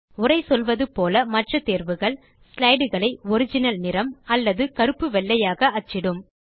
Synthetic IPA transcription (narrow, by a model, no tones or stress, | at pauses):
ʊrɐɪsɔlʋɐðɯpoːlɐmɐʈrɐt̪eːɾʋɯɣɐɭ | slɐɪɽɯɣɐɭɐɪɔɾɪd͡ʒɪnɐlnɪɾɐmɐlːɐðɯkɐɾɯpːɯʋɛɭːɐjaːɣɐɐt͡ʃːɪɽɯm